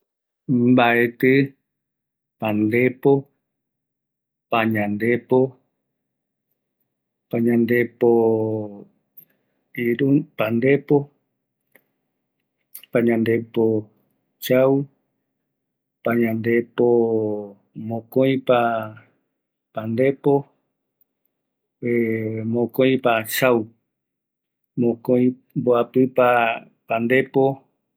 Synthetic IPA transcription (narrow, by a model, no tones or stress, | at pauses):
mbaet̪ɨ | pand̪epo | paɲãnd̪epo | paɲãnd̪epo | iɾupand̪e̞po | paɲãnd̪e̞po | t͡ʃaw | paɲãnd̪e̞po | mõkõj̃pa | pand̪epo | emõkõj̃pat͡ʃaw | mõkõj̃ | mboapɨpa | pand̪e̞po